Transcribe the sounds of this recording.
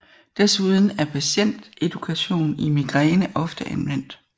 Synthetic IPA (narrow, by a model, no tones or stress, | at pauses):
d̥æsuð̞ˠn̩æɐpʰæɕen̰d̥e̝d̥ukʰæɕo̝̰ːnimiɡ̥ʁenəʔɒ̽fd̥əʔænʋen̰d̥